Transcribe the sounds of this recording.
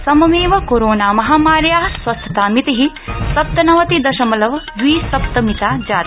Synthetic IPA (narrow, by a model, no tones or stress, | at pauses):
sɐmɐmeːʋɐkoɾoːnaːmɐɦaːmaːɾjaːɦɐsʋɐst̪ʰɐt̪aːmit̪iɦi | sɐp̚t̪ɐnɐʋɐt̪id̪ɐʃɐmɐlɐʋd̪ʋiːsɐp̚t̪ɐmit̪aːd͡ʒaːt̪i